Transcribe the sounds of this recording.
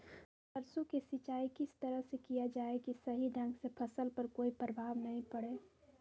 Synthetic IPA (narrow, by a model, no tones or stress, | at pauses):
pəɾsõkesɪt͡ʃaːikɪst̪əɾəɦsekijad͡ʒaːekisəɦiɖʱə̃ŋɡsepʰəsəlpəɾkoːipɾəbʱaːʋnəɦĩpəɽeː